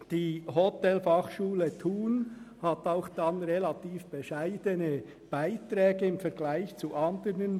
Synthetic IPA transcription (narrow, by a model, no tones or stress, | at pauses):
d̥iːɦotɛlfɑχʃuːlətʰuːnhataʊxd̥anʁelatiːfb̥eʃaɪdənə | b̥aɪtɾɛːɡəɪmfɛɾɡlaɪçt͡suʔɑndəɾnən